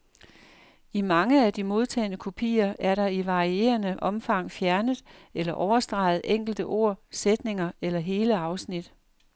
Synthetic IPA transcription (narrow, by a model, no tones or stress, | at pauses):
imɑ̈ŋəæd̥imo̝ð̞ˠt͡sʰɛ̰ːnəkʰo̝pʰḭːɐʔæɐɾɑ̈iʋɑ̈ʁie̝̰ːɐnəʔɒ̽mfɑ̈ŋ̰fjæɐnəð̩ˠelɐʔɒʊɐsd̥ʁɑ̈ɪð̞̩ˠʔeŋ̰ɡ̥l̩d̥əʔo̝̰ɐ̰sed̥ne̝ŋɐelɐɦe̝ːləɑ̈ʊsnid̥